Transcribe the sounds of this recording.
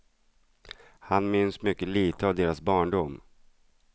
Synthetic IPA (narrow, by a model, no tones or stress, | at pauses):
hanmʏnsmʏkːəliːt̪ʰəavd̪eːɾasbɑːɳɖʊm